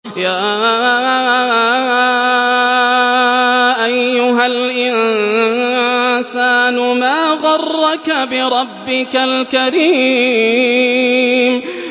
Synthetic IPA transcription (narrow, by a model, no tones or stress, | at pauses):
jaː | ʔajːʊɦalʔɪn | saːnʊmaːɣɑrˤːɑkabɪɾˤɑbːɪkalkaɾiː | m